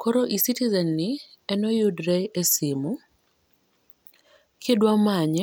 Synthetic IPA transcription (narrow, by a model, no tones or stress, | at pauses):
kʰoɾoʔisitizɛnːɪ | ɛnojudɾɛesimu | kʰedwamaɲɛ